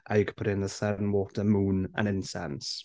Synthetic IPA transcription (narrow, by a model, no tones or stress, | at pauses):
ʔajɡpʰəɾɪnðəθɛnwoːtʰəmuːnə̰nɪnsɛ̰ns